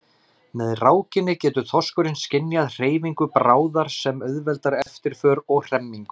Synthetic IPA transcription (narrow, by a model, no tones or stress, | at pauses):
mɛðraːwcɪnːɪcɛːt̪ʏθɔskʏɾɪnscɪnjaðr̥eːjviŋkʏpɾaːwðaɾ̥sɛmœðvɛlt̪aɾɛft̪ɪɾ̥fœːɾɔɣr̥ɛmːiŋkʏ̥